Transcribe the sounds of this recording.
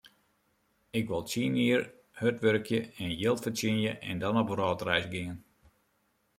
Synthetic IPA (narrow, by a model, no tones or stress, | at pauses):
ɪkʋɔlˠt͡siːnjiər | høtʋørkʰjəɛnjɪlˠtfət͡sjɪnjəʔɛndɔnɔboɾɔːtrɛjsɡɪŋən